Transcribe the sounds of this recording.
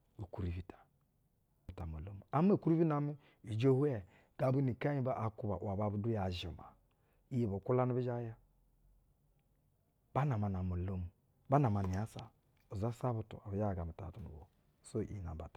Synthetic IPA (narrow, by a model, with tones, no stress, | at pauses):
u˨ku˨ɾi˨vi˨tḁ˨ | ta˨mo˨lo˦mu˨a˨˦m˦e˦˨ku˦ɾi˦vi˦na˨˦mi˦ | i˨d͡ʒo˦hu˦ɛ˨ | ɡ̥a˨bu˦ni˨ka˦ɲi˦ba˦ʔa˨ku˦ba̰˨ʔwa˨ba˨bu˨˦du˦ja˨ʒi˨ma̰˨ | i˦je˨bo˨ku˦la˦ni˦bi˦d͡ʒa˦ja˦ | ba˦na˨ma˨na˨mo˨lo˦mu˨ | ba˦na˨ma˨ni˨a˦sa˨ | o˨za˦sa˦bu˨tṵ˨a˨bi˨d͡ʒa˦˨ɡa˨mi˨ta̰˨tu˨nṵ˨bo̰˨ | so˦˨ʔḭ˨na˨ba̰˨tḁ˨